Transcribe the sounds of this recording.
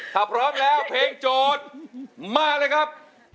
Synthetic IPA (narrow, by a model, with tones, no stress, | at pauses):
t̪ʰaː˧˩pʰɾɔː˦˥mlɛː˦˥wpʰeː˧ŋt͡ɕoː˧t̪̚maː˥˩k̚lɤː˧˥jkʰa˦˥p̚